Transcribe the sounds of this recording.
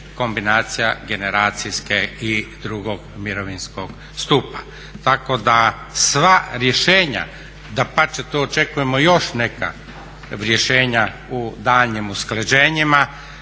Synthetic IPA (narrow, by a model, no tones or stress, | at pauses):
ko̞mbinaːt̪sijaɡe̞neɾaːt̪siskeid̪ɾuɡoɡmiɾoʋinskoɡ | st̪upa | t̪ako̞d̪a | sʋaɾje̞ʃeːɲa̰ | d̪apat͡ʃet̪oot͡ʃe̞kuje̞mojo̞ʃneka̰ | ɾje̞ʃeːɲa | ud̪aːʎɲimuskled͡ʒeːɲima